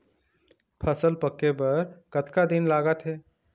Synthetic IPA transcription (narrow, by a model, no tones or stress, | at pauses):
pʰəsəlpəkːebəɾkət̪kad̪inlaɡət̪ɦe